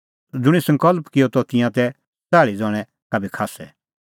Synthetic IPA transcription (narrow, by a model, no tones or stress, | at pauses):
d͡zʊɽ̃isɐ̃ŋkɔlpkɪjɔt̪ɔt̪ɪ̃jãt̪ɛ | t͡saːɭid͡zɔːɽ̃ɛ | kabʱikʰaːsɛ̰